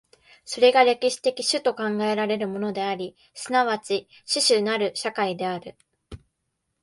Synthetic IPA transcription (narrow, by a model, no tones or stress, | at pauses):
so̞ɾe̞ɡaɾe̞kʲiɕi̥t̪e̞kʲiɕɨt̪o̞kãŋɡae̞ɾaɾe̞ɾɯ̟mo̞no̞d̪e̞aɾʲi | sɨnaβat͡ɕi | ɕɨɕɨnaɾɯ̟ɕakaid̪e̞aɾɯ̟